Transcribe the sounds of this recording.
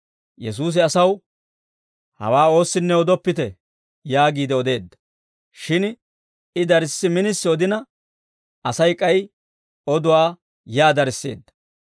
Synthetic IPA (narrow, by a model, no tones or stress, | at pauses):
jɛs̬uːs̬ɪɐsɐw | hɐ̰waːo̞ːsːɪnːɛɔd̪ɔpːɪt̪ɛ | jaːɡiːd̪ɛɔd̪e̞ːd̪ːɐ̥ | ʃɪn | ɪd̪ɐɾɪsːɪmɪnɪsːɪɔd̪ɪnɐ | ɐsɐjkʼɐj | ɔd̪ʊwaː | jaːd̪ɐɾsːḛːd̪ːɐ̥